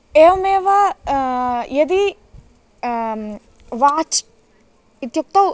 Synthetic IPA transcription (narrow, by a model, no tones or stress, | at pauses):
eːʋɐmeːʋɐ | jed̪i | ʋaːt͡ʃ | it̪juk̚t̪ɐw